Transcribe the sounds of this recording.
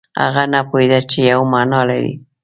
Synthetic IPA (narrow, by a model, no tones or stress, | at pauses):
a̰ɣanapʊjd̪at͡ʃɪjawmaːnɑːlaɾḭ